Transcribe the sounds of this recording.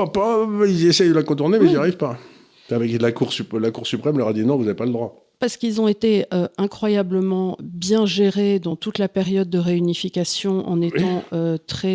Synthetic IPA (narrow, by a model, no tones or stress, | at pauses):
apailziesɛjd̪əlakɔ̃t̪uʁnemɛijaʁivpa | avɛklakuʁsyplakuʁsypχɛmlœʁad̪inɔ̃vuzavepaləd̪ʁwa | paʁsə̥kilzɔ̃et̪eøɛ̃kχwajabləmɑ̃bjɛ̃ʒeʁed̪ɑ̃t̪ut̪lapɛʁjɔd̪̚ːəʁeynifikʲasjɔ̃ʔɑ̰̃net̪ɑ̃øt̪χɛ